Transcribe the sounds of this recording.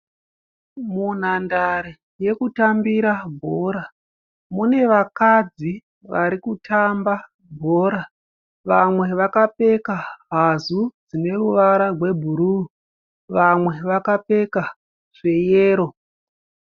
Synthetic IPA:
mun̤andaɾe | je̞kutambiɾabʱo̞ɾa | mune̞ʋakad͡zi | ʋaɾikutʰamba | bʱo̞ːɾa | ʋamwe̞ʋakape̞kaɦazud͡zine̞ruʋaɾarwe̞bʱuɾu | ʋamwe̞ʋakape̞ka | ʐ̥e̞jeːɾo̞

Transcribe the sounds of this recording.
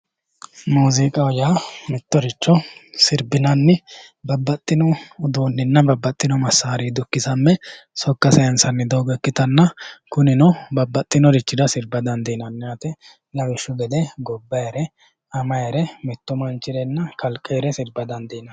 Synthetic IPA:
muːzɪkʼɐɔjaːmɛt̪ːɔɾɪt͡ʃːɔsɪɾbɪnɐnːɪ | bɐbːɐt̪ʼːɪnɔːd̪oːnːɪnːɐbɐbːɐt̪ʼːɪnɔmɐsːaːɾiːd̪ʊkːɪsɐmːɛ | sɔkːɐsɐjɐnsɐnːɪd̪ɔwɡɛkːɪt̪ɐnːɐkʊnɪnɔbɐbːɐt̪ʼːɪnɔɾɪt͡ʃːɪd̪ɐsɪɾbɐd̪ɐnd̪ɛnɐnːɛjɐt̪ɛ | lɐwɪʃːʊɡɛd̪ɛɡɔbːɐɛɾɛ | ɐmɐjɛɾɛmɛt̪ːɔmɐnt͡ʃːɪd̪ɛnːɐkʰɐlkʼːɛɛɾɛsɪɾbɐd̪ɐnd̪ɛːnɐ

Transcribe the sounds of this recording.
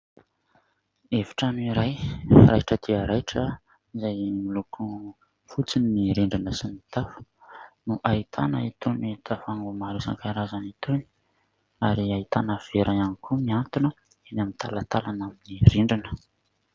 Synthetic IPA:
evi̥ʈ͡ʂanuiɾajra̰jʈ͡ʂəd̪iəɾajʈ͡ʂə | izajmilukʰu | fut͡siniːiɾiɳɖ͡ʐinəsinit̪afu̥nuʔait̪ʰa̰nə̰it̪onet̪afaŋɡumaɾusa̰ŋkaɾazanit̪oni̥ | aɾiait̪anəv̥eɾʔajanikʰumiant̪unə | inamint̪ʰa̰lat̪alanaminiriɳɖ͡ʐinə̥

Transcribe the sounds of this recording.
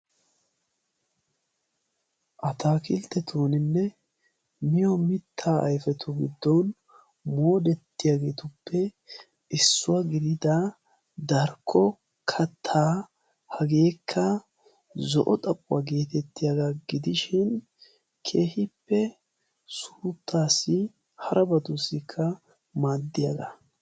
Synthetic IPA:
ʔɐt̪aːkɪlt̪ːɛt̪ʰuːnɪnːɛ | mɪjɔmɪt̪ʰːaːʔɐ̰jfɛt̪ʰʊɡɪ̰d̪ːɔn | mo̞ːd̪ɛt̪ːɪjaːɡe̞ːt̪ʊpːɛ | ʔɪsːʊwaɡɪd̪ɪd̪ɐ | d̪ɐɾkʰːɔ | kʰɐt̪ʰːaː | hɐɡe̞ːkʰːɐ | zɔʔɔt̪ʼɐpʼːʊwaɡe̞ːt̪ɛt̪ːɪjaɡaɡɪd̪ɪʃɪn | kʰe̞ːhɪpːɛ | sut̪ʰːaːsːɪ | hɐɾʔɐbɐd̪ʊsɪkʰːɐ | maːd̪ːɪjaɡɐ

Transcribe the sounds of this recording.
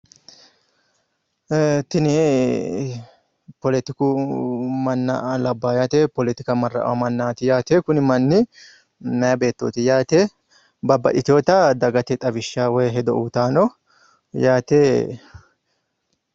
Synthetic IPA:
t̪ɪnɛ | pɔlɛt̪ɪkʊ | mɐnːa̰lɐbːaːjaːt̪eːpɔlɛt̪ɪkɐmɐrːɐ̰ʔɐ̰wɐmɐnːaːt̪ɪjaːt̪eːkʊnɪmɐnːɪ | nɐjɐbe̞ːt̪ːo̰ːt̪ɪjaːt̪eː | bɐbːɐ̰ᶑɪt̪ɪo̞ːt̪ɐd̪ɐɡɐt̪ɛt̪ʼɐbɪʃːaːwɛjɦɛd̪ɔʔuːt̪aːnɔ | jaːt̪eː

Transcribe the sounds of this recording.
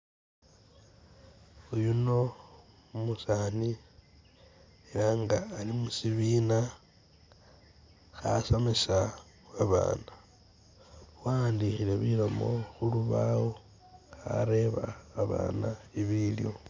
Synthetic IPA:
ujuno̞ | umusani | elaŋɡaːlimusiβiːna | xasamesa | aβa̰ːna | waːndixile̞βilomo̞̰xuluβawo | xa̰ɾe̞βaːβa̰ːnaiβiljo̞̰

